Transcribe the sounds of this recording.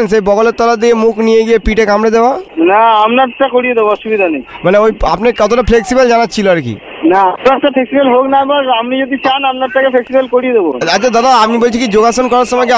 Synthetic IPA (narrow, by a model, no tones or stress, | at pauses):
nsejbɔɡoleɾt̪ɔlad̪iemuknijeɡiepiʈekamɾed̪ebanaamnaʈakoɽijed̪eboɔʃubid̪ʱanejmaneoja̰pnekɔt̪ʰoʈapʰleksibald͡ʑanatːɕʰiloaɾkḭ | naapnaɛkʈapʰeksibelɦoknabaɾamnid͡ʑod̪it͡ɕanamnaɾʈakepʰleksibelkoɽijed̪ebo̰aad̪ad̪aapnibolt͡ɕʰikid͡ʑoɡaʃonkɔɾaɾʃɔmɔke